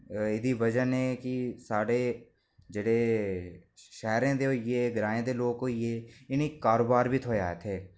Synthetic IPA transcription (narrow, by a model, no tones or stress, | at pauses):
ɪd̪iːʋəd͡ʒənẽːkɪsaːɽeː | d͡ʒeːɽeː | ʃɛːɾẽːd̪eːoːeːɡɪɾaːẽːd̪eːloːkoːijeːɪniːkaːɾoːbaːɾbiːt̪ʰoːaːet̪ʰeː